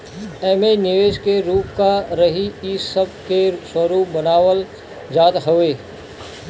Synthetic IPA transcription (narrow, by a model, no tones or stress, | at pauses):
ɛːmenɪʋeːʃkeɾuːpkaɾəɦiɪsːəb̚keswəɾuːp̚bənaːʋəl | d͡ʒaːt̪ɦʊʋeː